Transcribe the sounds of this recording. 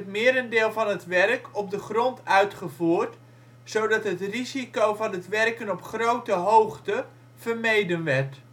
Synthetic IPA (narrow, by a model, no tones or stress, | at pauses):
ətmɪəɾəndɪːlˠvɑnətʋɛrkɔp̚dəχrɔntœɥtχəvuːrt | sowdɑtɦətrizikowvɑnɦətʋɛrkənɔpχrowtəɦowχtə | v̥ərmejdənʋɛrt